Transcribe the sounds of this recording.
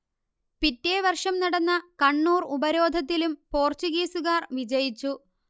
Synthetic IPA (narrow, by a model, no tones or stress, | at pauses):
pitːeːʋɐrʂɐmnɐɽɐnːɐkɐɳːuːrubɐɾo̞ːd̪ʱɐt̪̬ːilumpo̞ːrt͡ɕuɣeːsuɣaːrʋid͡ʑɐjit͡ɕːu